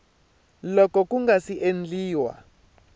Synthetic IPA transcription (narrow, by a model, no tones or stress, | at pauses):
lɔkɔkʼuŋɡasiʔend͡ɮiːwa̰